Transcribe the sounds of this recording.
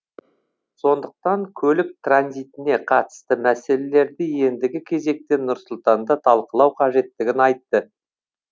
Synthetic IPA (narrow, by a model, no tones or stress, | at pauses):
so̞nd̪əq̚t̪ɑŋkʲʰɵlɪk̚t̪ranzijt̪ɪne̞qʰɑt̪ə̥st̪əmæse̞lele̞ɾd̪ɪje̞nd̪ɪɡʲɪkʲʰe̞ze̞k̚t̪enːʊɾsʊlˠt̪ɑnd̪ɑt̪ʰɑlˠqəlˠɑwqʰɑʒe̞t̪ːɪɡʲɪnɑjt̪ːə